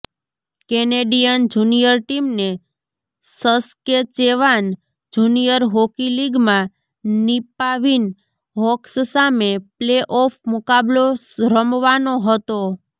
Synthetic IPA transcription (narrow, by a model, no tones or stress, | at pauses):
keneɖijənd͡ʒunijəɾʈimne | səsket͡ʃeʋan | d͡ʒunijəɾɦokiliɡmã | nipaʋin | ɦɔkssamepleʔɔfʰmukabloɾəmʋanoɦət̪o